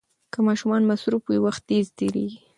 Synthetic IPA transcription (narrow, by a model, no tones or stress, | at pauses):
kəmɑʃumɑnmasɾufwiwaxt̪̚d̪ezt̪eɾḛɡi